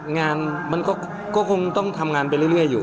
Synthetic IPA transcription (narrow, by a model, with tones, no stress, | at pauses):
ŋaː˧nma˧nkɔː˥˩ | kɔː˥˩kʰo˧ŋt̪ɔ˥˩ŋt̪ʰa˧mŋaː˧npa˧jlɯ˥˩˨lɾɯ˥˩əjːuː˨˩